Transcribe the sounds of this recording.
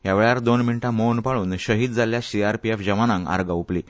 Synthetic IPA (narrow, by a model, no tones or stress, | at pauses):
ɦjaʋeɭaɾd̪onminʈãmownpaɭuːnɕəɦiːt̪̚d͡zʱaljasiaɾpiefd͡ʑəmanãŋka̰ɾɡaupli